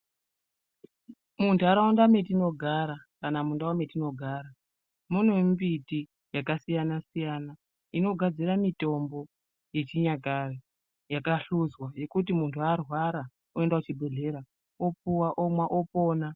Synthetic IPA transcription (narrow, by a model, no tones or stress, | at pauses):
muntʰuaɾaundame̞tino̞ɡʱaɾakanamundawame̞tino̞ɡʱaːɾa | mun̤ombiti | jakasijanasijaːna | ino̞ɡʱad͡ziɾamito̞mbo̞ | je̞t͡ʃiɲakaro | jakaɬuzwaje̞kut̬imuntʰuarwaɾa | oe̞ndakut͡ʃibʱe̞ɮe̞ɾa | opuwaʔomwaʔopo̞ːna